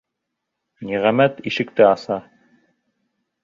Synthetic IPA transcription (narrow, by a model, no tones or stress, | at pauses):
niʁæmæt̪iʃɘ̆k̚t̪ɘɑsɑ